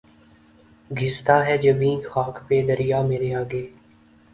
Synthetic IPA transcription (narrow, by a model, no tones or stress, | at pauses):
ɡʱɪst̪aɦɛːd͡ʒəbĩːxaːkpeːd̪əɾijaːmeːɾeaːɡeː